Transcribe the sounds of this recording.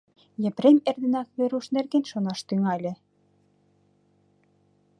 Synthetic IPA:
jɘ̆pɾemerd̪ɘ̆nɑkβĕɾuʃnerɣenʃonɑʃt̪yŋɑlʲɘ̆

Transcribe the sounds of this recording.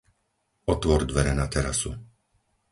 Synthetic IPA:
ɔt̪ʋɔɾd̪ʋɛɾɛnat̪ɛɾasu

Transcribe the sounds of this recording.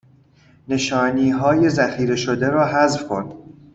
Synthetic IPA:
ne̞ʃɒːniːɦɒːje̞zæxiːɾe̞ʃod̪eɾɒːɦæzfkʰo̰nd̪̥

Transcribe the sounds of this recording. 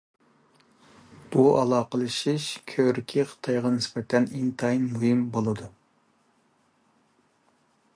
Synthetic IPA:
b̥uɑlˠɑːqəlˠɨʃiʃkʲʰøɾkʲʰiqʰə̥t̪ʰɑjʁɑnɪspɛt̪ʰɛnint̪ʰɑinmuhɨmbolˠɨd̪u

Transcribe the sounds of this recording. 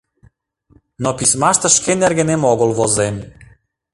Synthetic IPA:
nɔpismaʃt̪aʃkɛnɛɾɡɛnɛmɔɡɔlˠvɔzɛmli

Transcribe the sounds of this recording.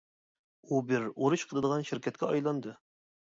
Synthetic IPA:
ubɪɾoɾuʃqʰəlˠɨd̪əʁɑnʃɪɾkʲʰɛt̪̚kʲɛɑjlˠɑnd̪ɨ

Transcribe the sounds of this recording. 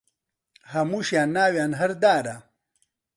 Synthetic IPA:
hɐmuɕjaːnːaːwjaːnɦɐɾd̪aːɾa

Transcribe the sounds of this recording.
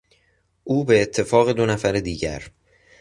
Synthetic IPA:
ʔuːbe̞ːt̪ʰːe̞fɒːɣe̞d̪o̞næfæɾed̪iːɟæ̰ɾ

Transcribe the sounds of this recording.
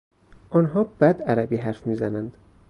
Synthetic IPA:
ʔɒnɦɒːb̥æd̪æɾæbiːɦæɾfmiːzænænd̪̥

